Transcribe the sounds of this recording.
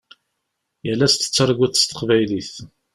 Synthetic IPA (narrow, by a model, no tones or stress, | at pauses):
jælːæst̪ə̥t͡sːəɾˤɡʷəθst̪ə̥qvæjliθ